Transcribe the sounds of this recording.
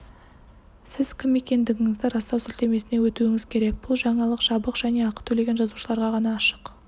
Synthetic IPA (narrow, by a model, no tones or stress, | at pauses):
sɪzkʲʰɪmːe̞kʲe̞nd̪ɪɡʲɪŋɪzd̪ɪɾɑst̪ɑwsɪlt̪e̞me̞sɪne̞wɵt̪uɪŋɪz̥kʲʰe̞ɾe̞k̚b̥ʊlˠʒɑɴɑlˠəqʒ̥ɑbəqʒ̥æne̞ɑqə̥t̪ʰɵle̞ɡʲe̞nʒɑzuʃəlˠɑɾʁɑʁɑnɑːʃə̥q